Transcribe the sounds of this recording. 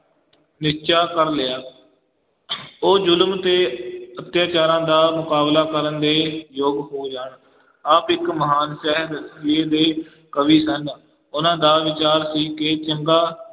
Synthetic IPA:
nɪʃt͡ʃaːkəɾlɪjaː | oːd͡ʒʊlmt̪eːət̪jaːt͡ʃaːɾãːd̪aːmʊkaːblaːkəɾənd̪eːjoːɡɦoːd͡ʒaːɳ | aːpɪkməɦaːnsɛɦɾd̪əsɪeːd̪eː | kəʋiːsən | ʊnãːd̪aːʋɪt͡ʃaːɾsiːkeːt͡ʃəŋɡaː

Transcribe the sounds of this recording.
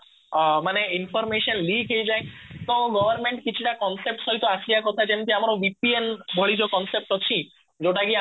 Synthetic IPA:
maneinpʰɔɾmeʃɔnlikɦejd͡ʒajt̪ɔ̃ɡɔbʱɔɾmeɳʈkit͡ʃʰiʈakɔnsep̚ʈsɔɦit̪ɔasiakɔt̪ʰad͡ʒent̪iamɔɾɔbipienbʱɔɭid͡ʒɔkɔnsep̚ʈɔt͡ʃʰi | d͡ʒoʈaɡia

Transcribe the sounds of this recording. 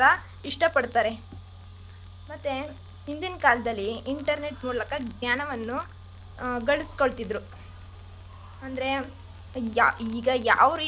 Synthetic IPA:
ɾɐ | iʂʈɐpɐɽt̪aːɾe̞ | mɐt̪ːe | ɦind̪inɐkaːlɐd̪ɐlːiːɳʈɐɾne̞ʈmuːlɐkɐɡɲaːnɐʋɐnːu | ɡɐɭisko̞ɭt̪id̪ɾu | ɐnd̪ɐɾe̞ | iːɡɐja̰ːʋɐɾi

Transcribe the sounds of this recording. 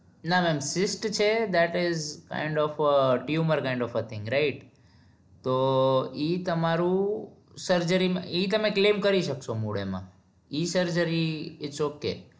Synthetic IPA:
namɛ̃msɪsʈt͡ʃʰed̪æʈɪzkã̰ɪ̃ɳɖɔfəʈjuməɾkãɪ̃ɳɖɔfət̪ʰɪ̃ŋɡɾaɪʈ̚ | t̪oit̪əmaɾũ | səɾd͡ʒəɾimãit̪əmeklẽːmkəɾiʃəkʃomuɽḛmã̰ | isəɾd͡ʒəɾiɪt͡ʃokːḛ

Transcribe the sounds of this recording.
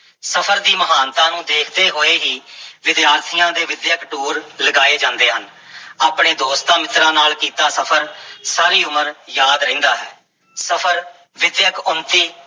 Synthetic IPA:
səpʰəɾd̪iːməɦaːnt̪ãːnũːd̪eːkʰd̪eːɦoːeːɦiːʋɪd̪jaːɾt̪ʰɪjãːd̪eːʋɪd̪jəkʈuːɾləɡaːeːd͡ʒãːnd̪eːɦən | aːpɳeːd̪oːst̪ãːmɪt̪ɾãːnaːlkiːt̪aːsəpʰəɾsaːɾiːʊməɾjaːd̪ɾəĩːnd̪aːɦɛː | səpʰəɾ | ʋɪd̪jəkʊnt̪iː

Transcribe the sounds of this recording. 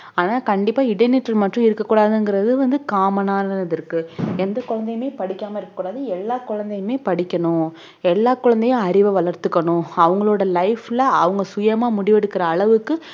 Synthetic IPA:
aːnaːkɐɳɖɪpːaːɪɽɐnɪʈːɐlmɐʈrʊ̃ɪɾɯkːɐkːuːɽaːðɯŋɡɪɾɐðɯʋɐnd̪ɯkaːmɐnaːnɐɐðɪɾɯkːɯɛnd̪ɐkʊɻɐnd̪ɐjmeːpɐɽɪkʲːaːmɐɪɾɯkːɐkːuɽaːðɯɛlːaːkʊɻɐnd̪ɐjmeːpɐɽɪkʲːɐɳʊ̃ | ɛlːaːkːʊɻɐnd̪ɐjʊ̃ɐɾɪʋɐʋɐɭɐɾt̪ɯkːɐɳʊ̃ɐʋɐŋɡɐɭoːɽɐlɐɪflɐɐʋɐŋɡɐsʊjɐmaːmʊɽɪʋɛɽɯkːɪɾɐːɭɐʋɯkːɯ

